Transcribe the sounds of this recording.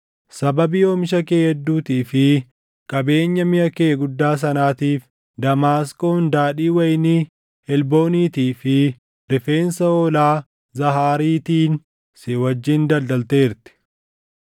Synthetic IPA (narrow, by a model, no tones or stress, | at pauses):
sɐbɐbɪjoːmɪʃ̬ɐkeːhɛd̪ːuːt̪iːfɪ | kʼɐbe̞ːɲːɐmɪjɐkeːɡʊd̪ːaːs̬ɐnaːt̪iːf | d̪ɐmaːskʼoːnd̪aːᶑiːwɐjɪni | hɛlbo̞ːniːt̪iːfɪ | ɾɪfe̞ːnsɐoːlaː | zɐɦaːɾiːt̪iːn | sewɐd͡ʒːiːnd̪ɐld̪ɐlt̪eːɪɾt̪ɪ̥